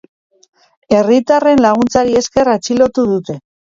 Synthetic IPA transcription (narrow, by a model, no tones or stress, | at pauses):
e̞rit̪are̞nlaɣ̞unt͡saɾie̞ske̞rat͡ʃilo̞t̪uðut̪e̞